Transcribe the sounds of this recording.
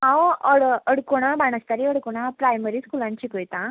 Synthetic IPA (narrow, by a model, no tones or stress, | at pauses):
ãwəɽəɽkoɽ̃ãbaɽ̃əst̪aɾiəɽkoɽ̃apɾajməɾiːskulãɲt͡ɕiːkəjt̪ã